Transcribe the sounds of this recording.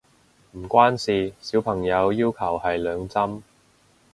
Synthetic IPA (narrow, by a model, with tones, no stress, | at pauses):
m̩˨˩kʷwaː˥nsiː˨˩siː˨˥wpʰɐ˨˩ŋjɐ˨˧wjiː˥wkʰɐ˨˩whɐ˨jlœː˨˧ŋt͡sɐ˥m